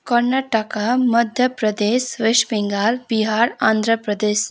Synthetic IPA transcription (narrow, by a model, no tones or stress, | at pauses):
kɐɾnaʈakamɐd̪ʱjəpɾɐd̪eːsʋɪʃbɪ̃ŋɡaːɾbiɦaːɾãːnd̪ʱɾəpɾəd̪eːs